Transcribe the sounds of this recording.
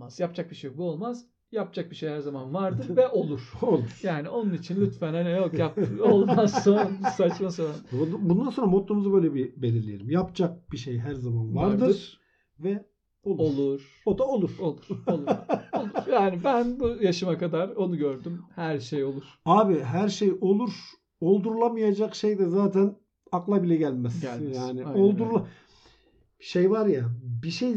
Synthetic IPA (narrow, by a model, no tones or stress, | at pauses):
mazjapd͡ʒak̚biʃejbuo̞lˠmaz | jap̚d͡ʒak̚biʃe̞jhæɾzamanvaɾd̪ɯɾɾvɛʔo̞lˠuɾ̥olˠuɾ̥jaːnio̞nunit͡ʃʰinlʲyt̪fænhanijokjap̪̚ɯolˠd̪mansonɾasat͡ʃmasoɾanbund̪ansoɾamot̪lˠumuzɯbøjlʲebibelʲiɾlʲejeɾimjapd͡ʒak̚b̥iʃejɦæɾzamanvaɾd̪ɯɯɾ | vɛ | olˠo̞lˠuɾ̥ | od̪ao̞lˠuɾ̥olˠuɾlˠolˠjaːnibænbujaʃɯmakad̪aɾo̞nuɟøɾd̪ymhæɾʃejo̞lˠuɾ̥aːbiɦæɾʃejo̞lˠuɾ | o̞lˠd̪uɾlˠamɯjad͡ʒakʃejd̪ɛzaːt̪ʰæn | aklˠabilʲɛɟælʲmɛsʲjaːniolˠd̪uɾlˠa | ʃejvaɾjabiʃej